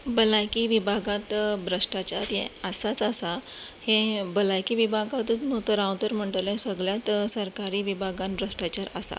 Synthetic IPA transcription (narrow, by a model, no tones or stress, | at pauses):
bəlajkiʋibʱaɡãt̪bʱɾəʂʈat͡ɕaɾjɛ̰əsat͡sasahẽbəlajkiʋibʱaɡat̪ut̪not̪əɾãwt̪əɾm̤əɳʈlẽsəɡɭjat̪səɾkaɾiːʋibʱaɡanbʱɾəʂʈat͡ɕaɾa̰sa̰